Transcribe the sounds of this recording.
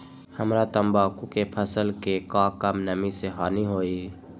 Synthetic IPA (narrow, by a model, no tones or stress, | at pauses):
həmɾat̪əmbaːkukepʰəsəlkekãkəmnəmiseɦaːniɦoːi